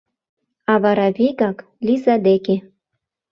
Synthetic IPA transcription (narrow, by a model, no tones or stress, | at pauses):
ɑβɑɾɑβiɣɑk | lʲizɑd̪eke